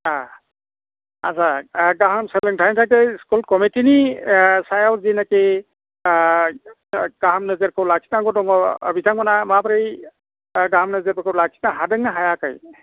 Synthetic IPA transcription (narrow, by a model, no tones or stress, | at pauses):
a | a̰zaɡaɦamseleŋtʰajntʰajkeskulkɔmitinisajawzinake | ɡ̥aɦamnɯzeɾkʰɯwlakʰi̥tnaɡɔdɔŋɔ̰bitaŋmanamabɾaj | ɡaɦmnɯzeɾpɯkʰɯwlakkʰitnaɦadɯŋnaɦajakaj